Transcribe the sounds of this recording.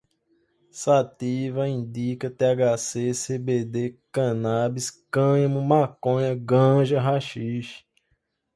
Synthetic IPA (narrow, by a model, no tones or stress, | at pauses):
sat̪ivɐĩd̪ikɐt̪eaɡasesebed̪ekɐ̃nabiskɐ̃ɲɐ̃mũmakõɲɐɡɐ̃ʒɐɦaʃiʃ